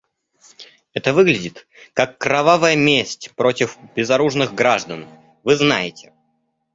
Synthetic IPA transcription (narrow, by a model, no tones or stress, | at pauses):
ɛt̪əvɨɡlʲɪdʲɪt̪ | kakːɾɐvavəjəmʲesʲtʲpɾo̞tʲɪfb̥ʲɪzɐɾuʐnɨɣɡɾaʐd̪ən | vɨznajɪtʲɪ̥